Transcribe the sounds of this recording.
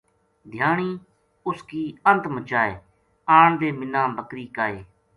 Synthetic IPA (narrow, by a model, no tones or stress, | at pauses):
d̪ʱjaːɳiː | ʊskiːənt̪mət͡ʃaːeː | aːɳd̪eːmɪnãːbəkɾiːkaːeː